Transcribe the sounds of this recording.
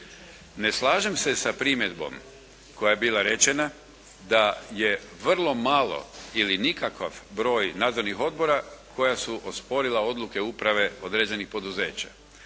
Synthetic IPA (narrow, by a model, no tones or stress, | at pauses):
ne̞slˠaːʒe̞mse̞sapɾimje̞d̪bo̞̰m | kʰo̞jajebiːlˠaɾe̞t͡ɕe̞na | d̪aje̞ʋr̩lˠo̞malˠo̞̰ilinikakaʋbɾo̞ːjnaːd̪zo̞ɾnixo̞d̪̚bo̞ɾakʰo̞jasuʔo̞spo̞ɾilˠao̞d̪luke̞upɾaʋe̞o̞d̪ɾeːd͡ʑe̞nixpo̞d̪uze̞ːt͡ɕa̰